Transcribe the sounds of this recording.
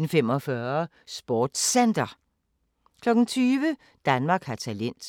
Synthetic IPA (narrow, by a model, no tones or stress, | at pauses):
n̩fem̰ɒ̽fɶːɐ | sb̥ɒːd̥send̥ɐ | kʰlɒ̽ɡ̥n̩t͡sʰyːʋə | d̥ænmɑ̈ːɡ̥hɑt͡sʰælen̰d̥